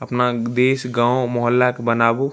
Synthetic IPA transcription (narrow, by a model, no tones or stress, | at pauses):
ɐpnad̪eːsɡãːõmɔɦəlːakbənaːbo